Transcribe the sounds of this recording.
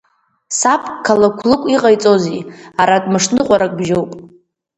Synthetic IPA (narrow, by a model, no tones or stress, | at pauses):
sapʰʼkʰalakʷʰlɨkʷʼiqʼajt͡sʼo̞ziaɾatʼmɨʂnɨqʷʼaɾakʼbʒowpʼ